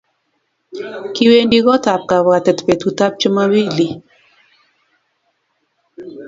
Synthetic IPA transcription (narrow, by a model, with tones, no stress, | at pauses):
ki˦we˦ndi˦ɣɔ˦ta˨p̚ka˨βa˨tɛ˨tpɛ˨tu˨ta˦p̚t͡ʃə˦ma˦wi˦˨li˨